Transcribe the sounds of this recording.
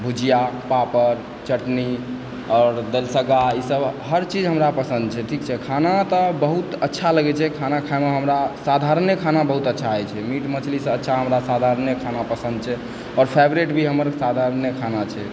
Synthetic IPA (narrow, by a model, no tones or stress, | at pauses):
bʱud͡ʒijapapəɾ | t͡ʃəʈni | ɔːɾd̪elsəɡaisəbɦəɾt͡ʃid͡ʒɦəmɾapəsə̃nd̪̚t͡ʃʰɛʈʰikt͡ʃʰɛkʰanat̪ɔbəɦut̪ətːʃʰaləɡɛt͡ʃʰɛkʰanakʰaemeɦəmɾasad̪ʱaɾənjəkʰanabəɦut̪ətːʃʰaɛt͡ʃʰɛmiʈmət͡ʃlisə̃ətːʃʰaɦəmɾasad̪ʱaɾənjəkʰanapəsə̃nd̪̚t͡ʃʰɛ | ɔːɾpʰɛbɾeʈbʱiɦəməɾsad̪ʱaɾənjəkʰanat͡ʃʰɛ